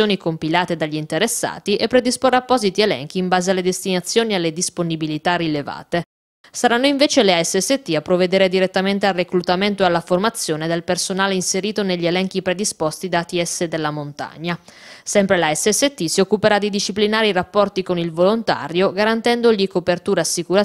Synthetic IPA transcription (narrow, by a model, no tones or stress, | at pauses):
oːnikompilaːt̪ed̪aʎːint̪eɾesːa̰ːt̪iʔepːɾed̪isporːapːɔːzit̪ielɛ̰ŋk̟iːmbaːzealːed̪est̪inat̪sːjoːnialːed̪isponibilit̪arːileva̰ːt̪e | saɾanːoiɱveːt͡ʃeleaɛsːɛsːet̪ːiapːɾoved̪eːɾed̪iɾet̪ːament̪earːeklut̪ament̪oealːaformat̪sːjoːned̪elpersonaːleinseɾiːt̪oneʎːielɛŋk̟ipɾed̪ispost̪id̪at̪iɛsːed̪elːamont̪a̰ɲːasɛmpɾelaɛsːɛsːet̪ːisiokːupeɾad̪ːid̪iʃiplinaːɾiɾapːɔrt̪ikonilvolont̪a̰ːɾjoɡaɾant̪ɛnd̪oʎikopert̪uːɾasːikuɾa